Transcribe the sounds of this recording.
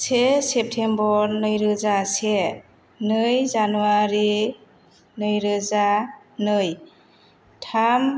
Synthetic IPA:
sesep̚tʰembɔɾnɯjɾɯzase | nɯjzanuaɾi | nɯjɾɯza | nɯj | tʰam

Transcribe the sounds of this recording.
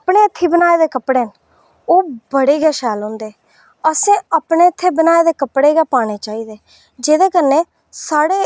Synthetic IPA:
pɳeːɪt̪ʰːiːbənaːeːd̪eːkəpɽeːən | oːbəɽeːɡɛːʃɛːlɦõːnd̪eː | əsẽːaːpɳeːɪt̪ʰːeːbənaːeːd̪eːkəpɽeːɡɛːpaːɽ̃eːt͡ʃaːiːd̪eː | d͡ʒeːd̪eːkəɾneː | saːɽeː

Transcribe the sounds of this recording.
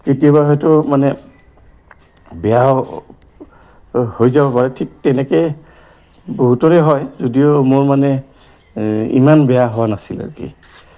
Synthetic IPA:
ketijaβaɦɔjtʊmanɛ | bɛja | hojzabɔpaɹɛtʰik̚tɛnɛkɛj | boɦutɔɹɛɦɔjzodijomoɹmanɛ | ḭmanbɛjaɦowanasila̰ɹukḭ

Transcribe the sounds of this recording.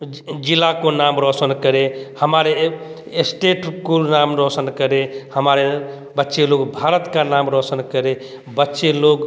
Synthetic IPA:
d͡ʒilːakonamɾɔsənkəɾehəmaɾe | esʈeʈkulnamɾɔsənkəɾehəmaɾe | bətːʃeloɡbʱaɾət̪kanamɾɔsənkəɾe | bətːʃeloɡ

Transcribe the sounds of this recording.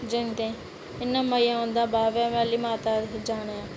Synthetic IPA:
d͡ʒɪnt̪ẽː | ɪnːãːməijãːɦõːnd̪aːbaːʋɛːʋɛːliːmaːt̪aːd͡ʒaːɽ̃eːãː

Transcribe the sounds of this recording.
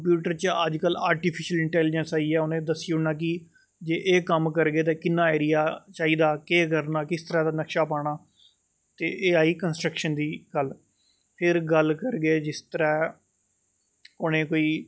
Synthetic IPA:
kəmpjuːʈəɾt͡ʃəəd͡ʒkəlaːɾʈiːpʰɪʃəlɪɳʈɛːlɪd͡ʒənsaːiːɛːʊnẽːd̪əsːiːʊɽnãːk̬ɪ | d͡ʒeːʔeːkəmkəɾɡeːt̪ẽːkɪnːãːeːɾijaːt͡ʃaːiːd̪aːkeːk̬əɾnaːkɪst̪əɾɛːd̪aːnəkʃaːpaːɽ̃aː | t̪ḛːʔeːaːiːkənsʈɾəkʃənd̪iːɡ̥əl | pʰɪɾɡəlkəɾɡeːd͡ʒɪst̪əɾɛː | koːnẽːkoːiː

